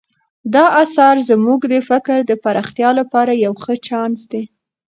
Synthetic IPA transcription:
d̪ɑʔasɑɾzmuɡd̪əfɪkɾd̪əpaɾɑxt̪jɑlapɑɾajawxət͡ʃɑnsd̪e

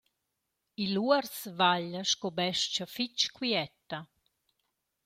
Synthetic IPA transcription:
iluərsvaʎəʃkobɛʃt͡ʃafit͡ʃkwiɛt̪ːa

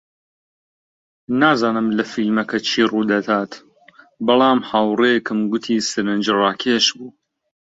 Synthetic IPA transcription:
naːzaːnɨmlɐfilmɐkɐt͡ʃʰiːruːd̪ɐd̪aːt̪ | bɐlˠɑːmhawrekɨmɡʊt̪ʰiːsɨɾɨnd͡ʒraːkʰeʃbuː

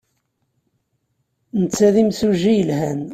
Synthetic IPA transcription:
nət͡sːæðimsuʒijəlhæn

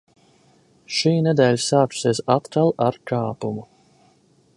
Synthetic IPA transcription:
ʃiːnɛd̪ɛːlʲsaːksezat̪kalˠaɾkʰaːpumu

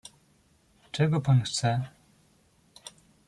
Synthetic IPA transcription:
t͡ʂɛɡɔpanxt̪sɛ

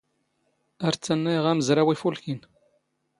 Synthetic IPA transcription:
æɾt͡sːænːæjʁæməzɾæwifulkin

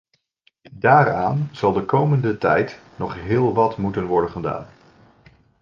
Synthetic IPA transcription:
daːɾa̰ːnz̥ɑlˠdəkowməndətɛ̰jtnɔχɦɪːlˠʋɑtmutənʋɔɹdənχəda̰ːn

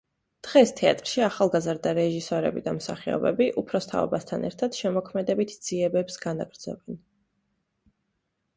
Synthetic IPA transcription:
d̪̥ʁɛst̪ʰɛa̰t̪ʼɾʃiaχalˠɡazɾd̪aɾɛʒisɔɾɛ̰bid̪amsa̰χiɔ̰bɛ̰biʔupʰɾɔst̪ʰa̰ɔ̰bast̪ʰanɛ̰ɾt̪ʰad̪̥ʃɛmɔkʰmɛd̪ɛbit̪ʰd̪z̥iɛbɛpsɡana̰ɡɾd̪zɛ̰bɛn

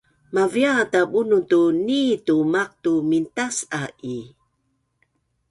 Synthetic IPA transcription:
maviatabunutunitumak̚tumintasaʔi

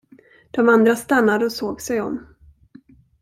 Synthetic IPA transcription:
d̪̥ɔmand̪ɾast̪anːad̪əɔsoːɡsɛjɔ̰mː

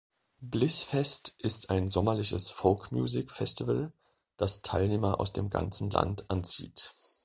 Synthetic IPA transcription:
blɪsfɛstʔɪstaɪnzɔmɐlɪçəsfoʊkmjṵːzɪkfɛstivəl | d̥astʰaɪlneːmɐʔa̰ʊsd̥eːmɡa̰nt͡sn̩la̰ntʔant͡sḭːt

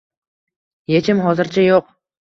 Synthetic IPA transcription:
je̞t͡ʃʰɪmɦɒzɪɾt͡ʃʰajoq

